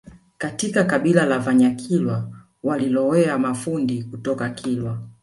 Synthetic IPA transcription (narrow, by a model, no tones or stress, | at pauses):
katikakaɓilalavaɲakʰilwa | walilɔɛamafundikutɔkakʰilwa